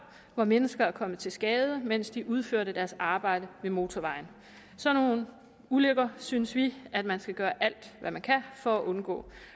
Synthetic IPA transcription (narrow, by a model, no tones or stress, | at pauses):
ʋɒmenəsɡ̥ɐæɐkʰɒ̽mət͡sʰe̝lsɡ̥ɛːð̞ˠəmen̰sd̥iʔuð̞ˠføɐ̰ɾəd̥æɐsɑ̈ːb̥ɑ̈ɪ̰d̥əmʋe̝mo̝ːt͡sʰɒʋɑ̈ɪn | sɒ̽no̝ːn | uløɡ̥ɐsynəsʋiæd̥mænsɡ̥æɡ̥ɶːɐʔæl̰d̥ʋæmænkʰæfɒ̽æʔɔ̽nɡ̥ɔ̰̽ː